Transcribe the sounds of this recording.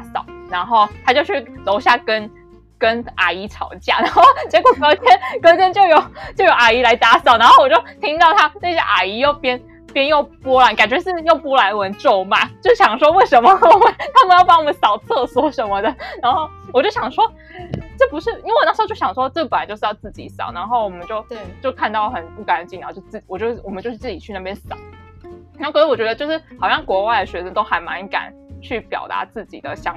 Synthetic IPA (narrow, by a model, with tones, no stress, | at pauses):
a˧˥sɑ̰˨˩˦ʊna˧˥nxo˥˩ʊt̪ʰa˥t͡ɕjʊt͡ɕʰy˥˩lo˧˥ʊɕja˥˩kə˦˥n | kə˥na̰˨˩i˧˥ʈ͡ʂʰɑ˨˩ʊt͡ɕja̰˥˩na˧˥xo˥˩ʊt͡ɕjɛ˧˥kwɔ˨˩kɤ˧˥t̪ʰjɛ˥nkɤ˧˥ʊt̪ʰjɛ˥nt͡ɕjo˥˩ʊjo˨˧˩ʊt͡ɕjo˥˩ʊjo˧ʊʔa˨˩i˧˥la˧˥ɪt̪a˧˥sɑ˨˩ʊn˧˥xo˥˩ʊwɔ˨˩t͡ɕo˥t̪ʰi˥ŋt̪ɑ˥˩ʊt̪ʰa˥n˥˩ɕɛ̰˥ʔa̰˨˩i˧˥jo˥˩ʊpjɛ˥n | pjɛ˥njo˥˩ʊpwɔ˥la˧˥ka˨˩nt͡ɕɥɛ˧˥ʂɻ̩˥˧jo˥˩ʊpɔ˥la˧˥ɪwə˧˥nʈ͡ʂo˥˩ʊma̰˨˦t͡ɕjʊʂɻ̩˥˩ɕjɑ˨˩ŋʂwɔ˥we˥˩ɪʂə˧˥nmə˧˥we˥˩t̪ʰa˥mə˧jʊpa˧˥wɔ˨˩mə˧˦nsɑ˨˩ʊt͡sʰɤ˥˩swɔ˥˩ʂə˧˥nmə˧d̪ə˩na˧˥nxo˥˩ʊwɔ˨˩t͡ɕjo˥˩ʊɕjɑ˨˩ŋʂwɔ˥ʈ͡ʂɤ˥˩pu˧˥ʂɻ̩˥˩i˥e˥˩wɔ˨˩a˥˩ʂt͡ɕjo˥˩ɕɑ˨˩ŋʂwɔ˥ʈ͡ʂɤ˥˩pə˨˩na˨˦˥t͡ɕo˥˧ʂɻ̩˥˧jɑ˥˧ʊt͡sɹ̩˥˩t͡ɕḭ˨˥sɑ̰˨˩ʊna˧˥nxo˥˩ʊwɔ˨˩mə˦nt͡ɕjo˥˧ʊt͡ɕjo˥˧ʊkʰa˥˧nt̪ɑ˥˩ʊlə˩xə˨˩npu˥˩ka˧˥nt͡ɕi˧˥˩na˧˥˩jo˥˧ʊt͡sɹ̩˥˩t͡ɕi˨˩wɔ˨˩t͡ɕjo˥˧ʊʂ̩˥˩wɔ˨˩mə˦t͡ɕjo˥˧ʂ̩˥˧t͡sɹ̩˥˩t͡ɕi˨˩t͡ɕʰy˥˧na˥˩jɛ˥nsɑ̰˨˩˦ | a˧˥kwɥɛ˧˥ə˧t͡ɕjo˥˧ʊʂɻ̩˥˩xɑ˨˩ʊɕjɑ˥˩ŋkwɔ˧˥wa˥˩ɪd̪ə˩ɕɥɛ˧˥ʂə˥t̪o˥ʊxa˧˥ɪma̰˧˥nka̰˨˩˦n | t͡ɕʰy˥˩pjɑ̰˨˩ʊt̪a̰˧˥t͡sɹ̩˥˩t͡ɕḭ˨˩d̪ə̰˦ɕjɑ˥ŋ